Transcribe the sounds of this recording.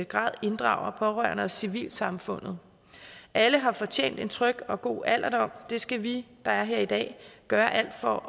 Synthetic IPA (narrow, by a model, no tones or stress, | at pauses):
əɡ̥ʁɑ̰̈ːð̰ˠe̝nd̥ʁɑ̈ʊɐpʰɒ̽ʁœɐ̰nəɒsiʋḭːlsɑ̈mfɔ̽n̰ð̩ˠ | ʔæləɦɑ̈fɒ̽t͡ɕʰḛːn̰d̥e̝nt͡sʰʁœɡ̥ɒ̽ɡ̥o̝̰ːæl̰ʔɐd̥ɒ̽m̰d̥e̝sɡ̥æʋid̥ɑ̈æɐɦe̝ɐ̰id̥ɛ̰ːɡ̥ɶːɐʔæl̰d̥fɒ̽